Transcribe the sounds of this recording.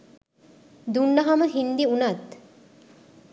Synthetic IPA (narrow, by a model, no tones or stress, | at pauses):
d̪uɳɖaɦaməɦind̪iunat̪